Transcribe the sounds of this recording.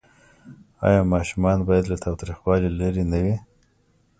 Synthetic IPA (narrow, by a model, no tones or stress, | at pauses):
ɑ̰jɑmɑʃumɑnbɑjad̪lat̪ɑwt̪ɾixwɑlilaɾinawi